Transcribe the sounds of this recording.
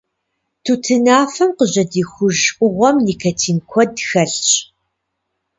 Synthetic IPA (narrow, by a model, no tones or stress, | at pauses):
tʰutʰɨnaːfɐmqəʑɐdiːxʷʊʒʔʷʼʊʁʷɔmniːkʰɐtʰiːmkʷʰɔdxɐɬɕʼ